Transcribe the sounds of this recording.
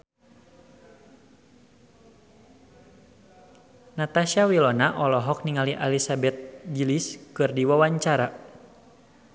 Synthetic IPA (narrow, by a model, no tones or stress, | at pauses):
nat̪aʃawilɔnaʔɔlɔɦɔk̚niŋaliʔalisabɛt̪̚d͡ʒiliskɨrdiwawaɲt͡ʃaɾa